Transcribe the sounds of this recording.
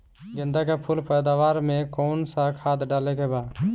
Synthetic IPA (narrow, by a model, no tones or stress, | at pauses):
ɡɪnd̪akepʰulpəjd̪aʋaɾmẽkɔnsakʰad̪ɖalekebad̪